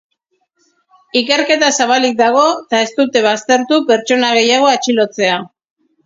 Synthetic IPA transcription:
ike̞ɾke̞t̪asaβalik̚d̪aɣ̞o̞t̪ae̞st̪ut̪e̞β̞ast̪e̞ɾt̪upe̞ɾt͡ʃo̞naɣ̞e̞jaɣ̞o̞at͡ʃilo̞t͡se̞a

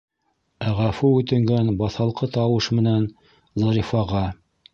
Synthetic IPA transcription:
æʁæfuʉt̪ɘ̆ŋɡænbɑθɑlˠqɤt̪ɑwɤʃmɘ̆næn | zɑɾifɑʁɑ

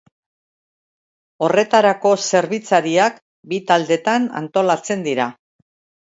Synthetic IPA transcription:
o̞re̞t̪aɾako̞se̞ɾβit͡saɾiak | bit̪ald̪e̞t̪ana̰nt̪o̞lat͡se̞nd̪iɾa

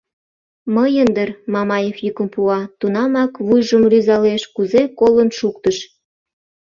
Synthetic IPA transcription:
məjənd̪ərmɑmɑjefjykə̆mpuɑt̪unɑmɑkβujʒəmryzɑleʃkuzekolənʃuk̚t̪əʃ

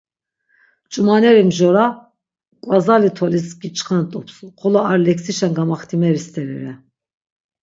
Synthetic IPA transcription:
t͡ʃʼumanɛɾimʒɔɾa | kʼwazalit̪ʰɔlisɡit͡ʃʼχant̪ʼɔpʰsuχʰɔlɔaɾlɛksiʃanɡamaχt̪ʰimɛɾist̪ʰɛɾɛɾɛ

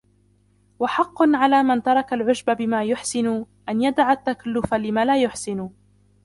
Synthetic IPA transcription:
waħɑqːʊnʕalaːmant̪ɑɾˤɑkalʕʊʒbabɪmaːjʊħsɪnʊ | ʔanjad̪aʕat̪ːakalːʊfalɪmaːlaːjʊħsɪnʊ

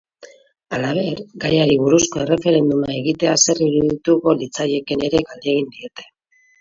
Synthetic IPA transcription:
alaβ̞e̞ɾɡajaɾiβuɾusko̞e̞re̞fe̞ɾe̞nd̪umae̞ɣit̪e̞ase̞riɾuðit̪uko̞lit͡saʎe̞kene̞ɾe̞ɡald̪eɣ̞ind̪ie̞t̪e̞̥

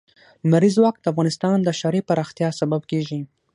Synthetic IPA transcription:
lumaɾizwɑk̚d̪̥əafɣɑnɪst̪ɑnd̪əʃaɾepaɾɑxt̪jɑsabab̚keʒi

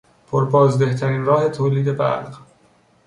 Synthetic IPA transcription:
pʰoɾbɒːzd̪e̞ht̪ʰæɾiːnrɒːhe̞t̪ʰoːliːd̪e̞bæ̰lɢ

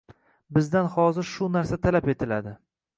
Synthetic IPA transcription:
bɪzd̪anhɒzɪɾʃʊnaɾsat̪ʰalape̞t̪ʰɪlad̪ɪ

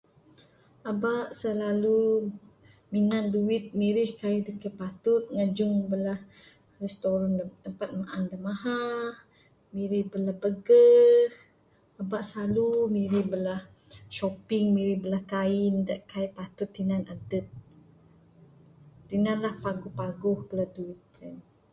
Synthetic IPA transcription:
ʔabaʔsəlalu | minanduɪt̪̚miɾɪhkaidəkajpat̪ʊt̪̚ŋad͡ʒʊŋbəlah | rɛst̪oɾɔnt̪əmpat̪̚maʔandamaɦa | miɾɪhbəlahbəɡə | əbaʔsalumiɾɪhbəlah | ʃopɪŋmiɾɪhbəlahkaɪndaʔkajpat̪ʊt̪ːinanadət̪̚ | inanlahpaɡʊhpaɡʊhbəlahduɪt̪̚ɾɛn

